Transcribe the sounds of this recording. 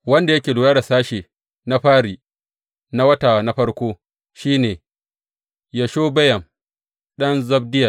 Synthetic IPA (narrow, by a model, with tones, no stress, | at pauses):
wɐ˦nda˨jɐ˦kʲeː˨lʊː˨jaː˦ɽa˨saː˦ʃeː˨ | na˦ɸaː˦ɽiː˨ | na˦wɐ˦taː˨na˦ɸɐ˦ɽkʷoː˦ | ʃiː˦neː˨ | ja˨ʃoː˦bɐ˦jɐ˨m | ɗɐ˦nzɐ˦b̚dɪ˦jɐ˨